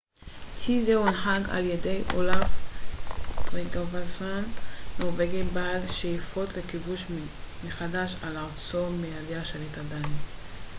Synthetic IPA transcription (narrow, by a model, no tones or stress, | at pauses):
tizeunħaɡa̰ljedejʔo̰laf | tʁeɡavasanːoʁveɡebalʃejifo̞tlekibuʃ | meχadaʃalaʁt͡somealjaʃelitadani